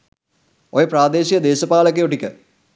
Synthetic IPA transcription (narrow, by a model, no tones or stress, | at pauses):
ojepraːd̪eːɕijɐd̪eːɕɐpaːɭɐk̬ːeoʈːikʲːɨ